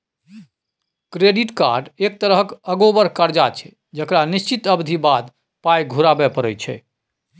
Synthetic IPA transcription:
kɾeɖiʈka̰ɾɖek̚t̪əɾəɦkəɡobəɾkəɾd͡ʒat͡ʃʰɛ̥ | d͡ʒəkɾanist͡ʃit̪əbd̪ʱibad̪ | pajɡʱuɾabɛpəɾət͡ʃʰɛ̰

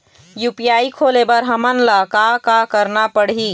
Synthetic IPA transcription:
jupijaːikʰoːlebəɾɦəmənlaːkakakəɾnapəɽɦiː

